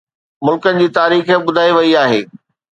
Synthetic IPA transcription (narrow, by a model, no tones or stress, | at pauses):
mʊlkənɪ̆d͡ʑiːt̪aːɾiːxəɓʊd̪ʱaːiʋɐiaːɦḛː